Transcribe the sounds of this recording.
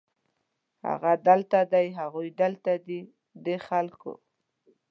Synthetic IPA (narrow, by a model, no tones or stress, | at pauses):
ha̰ɣad̪əlt̪ad̪ajɦaɣujd̪əlt̪ad̪i | d̪exalko̰